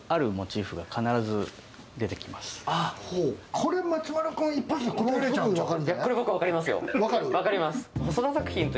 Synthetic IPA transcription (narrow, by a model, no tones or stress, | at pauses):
aɾɯ̟mo̞t͡ɕiːɸɯɡakʰanaɾazɨ | d̪e̞t̪e̞kʲimasɨ̥ahoːkʰo̞ɾe̞mat͡ɕimaɾokãipːosekoɾoɾeibɯ̃ɲ̃βakaɾɯ̃ndakːoɾʲibokɯβakaɾʲimasɨjo̰βakaɾɯ̟βakaɾʲimasɨ̥hosod̪asakɯ̟çʲĩnt̪o